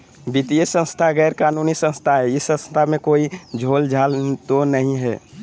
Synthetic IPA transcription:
bit̪ijesə̃nst̪ʰaɡɛːɾkaːnunisə̃nst̪ʰaɦɛɪsːə̃st̪ʰamẽkoːid͡ʒʱoːld͡ʒʱaːlt̪onəɦĩɦɛ̰ː

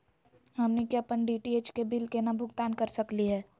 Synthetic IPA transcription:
ɦɐmnekjapənɖiːʈieːt͡ʃkebɪlkenabʱʊɡt̪aːnkɐɾsɐkliɦɛː

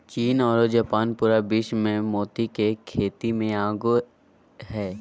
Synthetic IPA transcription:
t͡ʃiːnɔːɾod͡ʒaːpaːnpuːɾabɪʃmẽmɔːt̪ikekʰeːt̪imẽaːɡu | ɦɛː

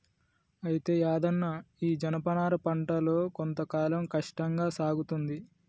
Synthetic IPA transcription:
ɐjit̪e̞ːaːd̪ɐnːaːiːd͡ʒɐnɐpɐnaːɾɐpɐɳʈɐlo̞ːkont̪ɐkaːlɐmkɐʂʈɐŋɡaːsaːɡut̪und̪i

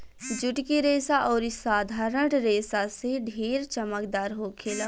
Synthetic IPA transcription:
d͡ʒʊʈkiɾeːsaʔɔːɾɪsaːd̪ʱaːɾəɽɾeːsaseɖʱeːɾt͡ʃəməkd̪aːɾɦoːkʰeːlɐ

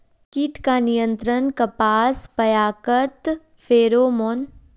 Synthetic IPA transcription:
kiːʈkanijə̃nt̪ɾənkɐpaːspɐjaːkət̪ | fʰeːɾoːmoːn

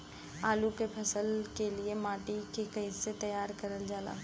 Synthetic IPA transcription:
aːlukepʰɐsəlkeliemaːʈikekɐɪset̪ɐjaːɾkɐɾəld͡ʒaːla̰ː

